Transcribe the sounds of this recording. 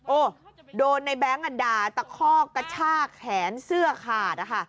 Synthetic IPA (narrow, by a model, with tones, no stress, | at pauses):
ʔoː˧˩doː˧nːa˧jbɛː˦˥˩ŋʔa˧daː˧˩t̪a˧˩kʰɔː˥˩kːa˧t͡ɕʰaː˥˩k̚hʰɛː˩˦nsɯ˥˩ɐkʰaː˨˩t̪̚ʔa˧˩kʰa˥˩